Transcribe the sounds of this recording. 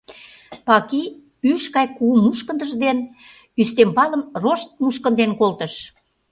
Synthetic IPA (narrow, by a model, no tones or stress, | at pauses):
pɑki | yʃkɑjkumːuʃkənd̪əʒd̪en | yst̪empɑlə̆mroʃt̪̚muʃkə̆nd̪enkolt̪əʃ